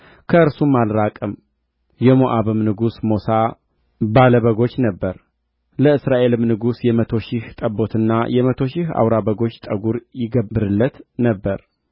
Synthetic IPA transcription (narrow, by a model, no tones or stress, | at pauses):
kʰəɨɾsumːalɾakʼɨm | jɛmoʔaβɨmnɨɡusmo̞sa | baləβəɡo̞t͡ʃːnəbːəɾ | ləɨsɾaʔe̞lɨmnɨɡusjɛmət̪ʰo̞ʃɪht̪ʼəbːo̞t̪ʰɨnːajɛmət̪ʰo̞ʃɪha̰wɾaβəɡo̞t͡ʃːt̪ʼəɡuɾjɪɡəbɨɾɨlːət̪nəbːəɾ